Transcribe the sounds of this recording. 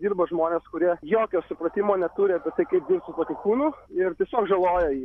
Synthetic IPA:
d̪ʲiːrbɐʒmoːnʲeːskʊɾʲiɛjoːkʲoːsʊpɾɐt̪ʲimoːnʲɛt̪ʊɾʲɪɐpʲiɛt̪ɐɪkɐɪp̚dʲiːrpsʊt̪oːkʲʊkuːnuːɪrt̪ʲiɛsʲoːkʒɐlˠoːjɛjiː

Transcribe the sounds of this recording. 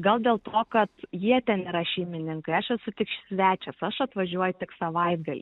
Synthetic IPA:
ɡɐlˠd̪ʲeːlˠt̪oːkɐt̪jiɛt̪ʲɛnɪɾɐʃʲɛɪmʲɪnʲɪŋkɐɪɐʃɛsʊt̪ʲɪkʃʲsʲʋʲæːt͡ʃʲɛsɐʃɐt̪ʋɐʒʲuɔjʊt̪ʲɪksɐʋɐɪd̪ɡɐlʲḭ

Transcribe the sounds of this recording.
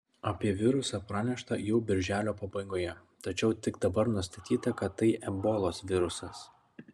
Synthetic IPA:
ɐpʲiɛʋʲɪɾʊsɑːpɾɑːnʲɛʃt̪ɐjɛʊbʲɪɾʲʒʲæːlʲoːpɐbɐɪɡoːjɛ | t̪ɐt͡ʃʲɛʊt̪ʲɪɡd̪ɐbɐɾnʊst̪ɐt̪ʲiːt̪ɐkɐt̪ːɐɪʔɛboːlˠoːsʋʲɪɾʊsɐs

